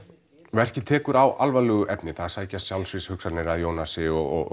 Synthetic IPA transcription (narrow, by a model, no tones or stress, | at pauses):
vɛr̥cɪt̪ʰɛːkʏɾawʔalvalɛːɣʏʔɛpnɪθaðaɾsaːjcassjawlsvɪshʏksat̪nɪɾaðjoːwnasɪɔɣɔ̰ɣ